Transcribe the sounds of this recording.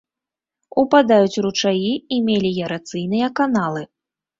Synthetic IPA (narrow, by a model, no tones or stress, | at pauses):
upad̪ajut͡sʲrut͡ʂajiimʲelʲijɛɾat̪sɨjnɨjɐkanalˠɨ